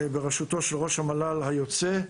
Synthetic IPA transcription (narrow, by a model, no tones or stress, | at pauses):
beʁeʃut̪o̞ʃelʁo̞ʃhamalalhajo̞t͡se